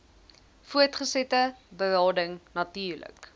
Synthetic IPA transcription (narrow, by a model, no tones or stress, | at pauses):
fuərtχəsɛtəbəɾɑːdəŋnɐtiːrlə̰k